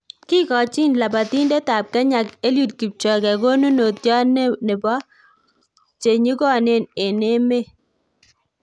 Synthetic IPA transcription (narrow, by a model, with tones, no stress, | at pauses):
kɪ˦kɔ˨t͡ʃɪ˦nla˨ba˨ti˦nde˦ta˨p̚ka˦ɲa˨ke˦lju˨t̚ki˨p̚t͡ʃɔ˨ɡɛ˨ɡo˦nu˦no˨tjɔ˦n˦ne˨bɔ˦ | t͡ʃe˨ɲi˦ɡɔ˦˨ne˦˨ne˨ne˦me˦